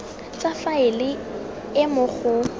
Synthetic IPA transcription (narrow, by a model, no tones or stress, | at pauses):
t͡sʼafaɪlɪ | ɪmʊk͡xʰʊ